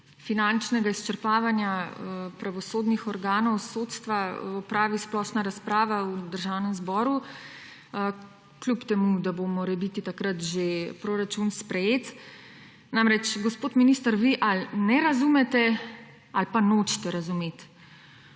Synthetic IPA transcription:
finant͡ʃnɛɡaist͡ʃəɾpaːʋanjapɾaʋɔsoːd̪nixɔɾɡaːnɔwsoːt̪st̪ʋaɔpɾaːʋisplɔːʃnaɾaspɾaːʋaud̪əɾʒawnɛmzbɔːɾu | klupt̪ɛmud̪abomɔɾɛbit̪it̪akɾat̪ʒepɾoɾat͡ʃunspɾɛjeːt̪ | namɾɛt͡ʃɡɔspoːt̪minist̪əɾʋiʔalnɛɾazumɛt̪ɛ | alpanot͡ʃi̥t̪ɛɾazumet̪

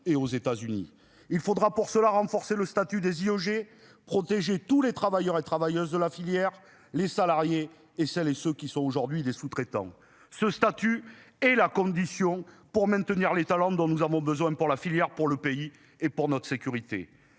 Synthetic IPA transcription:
eozet̪azynḭ | ilfod̪ʁapuʁsəlaʁɑ̃fɔʁseləst̪at̪yd̪eziøʒe | pχɔt̪eʒet̪ulet̪χavajœʁet̪χavajœzd̪əlafiljɛʁ | lesalaʁjeː | sɛlesøkʲisɔ̃oʒuʁd̪ɥid̪esut̪χet̪ɑ̰̃ | səst̪at̪y | ɛlakɔ̃d̪isjɔ̃ | puʁmɛ̃nt̪əniʁlet̪alɑ̃d̪ɔ̃nuzavɔ̃bəzwɛ̃puʁlafiljɛʁpuʁləpei | epuʁnɔt̪χə̥sekʲyʁit̪ḛ

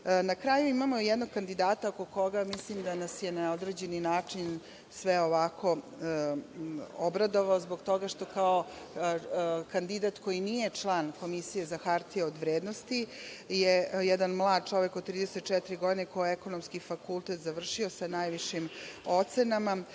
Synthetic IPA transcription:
nakɾaːjuimamojɛd̪no̞ɡ̚kand̪id̪aːt̪aokoko̞ɡamislimd̪anasje̞naod̪ɾeːd͡ʑe̞ninaːt͡ʂin | sʋeoʋakʰo̞ | obɾad̪o̞ʋaozbo̞ɡt̪o̞ɡaʂt̪o̞kao̞ | kand̪id̪at̪ko̞jinije̞t͡ʂlˠaːnko̞misije̞zaxaɾt̪ieod̪ʋɾeːd̪nost̪ijejɛd̪anmlˠaːd̪̚t͡ʂo̞ʋekod̪̚t̪ɾiːd̪eset̪̚ːt͡ʂɛt̪iɾiɡo̞d̪inekoeko̞nomskifakulˠt̪et̪zaʋr̩ʃiosanajʋiʃimo̞t̪senama

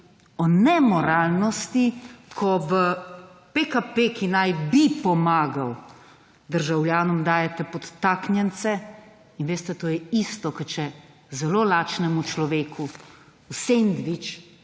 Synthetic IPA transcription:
ɔnɛmɔɾaːlnɔst̪ikʰɔʋəpekapekinajbipɔmaːɡaw | d̪əɾʒawljaːnɔmd̪aːjɛt̪ɛpɔt̪ːaːknjɛnt̪sɛ | inʋeːst̪ɛt̪oːjɛist̪ɔkət͡ʃɛ | zɛloːlaːt͡ʃnɛmut͡ʃlɔʋeːkʰu | usend̪ʋit͡ʃ

